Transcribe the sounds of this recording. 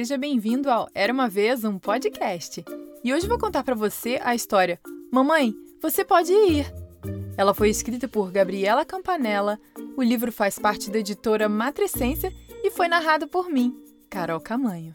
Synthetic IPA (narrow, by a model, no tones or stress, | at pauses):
seʒɐbẽj̃vĩnd̪ʊawɛɾɐũmɐvezũpod͡ʒɪkʰɛʃt͡ʃɪɪoʒɪvowkõnt̪aɾpɾɐvoseʔɐist̪ɔɾiɐmɐ̃mɐ̃j̃vosepɔd͡ʒɪiɾɛlɐfojɪskɾit̪ɐpʊɾɡabɾiɛlɐkɐ̃mpanɛlɐ | ʊlivɾʊfaspaɾt͡ʃɪd̪ɐed͡ʒit̪oɾɐmat̪ɾesẽsjɐɪfojnaɦad̪ɐpoɾmĩ | kaɾɔwkamɐ̃ɲʊ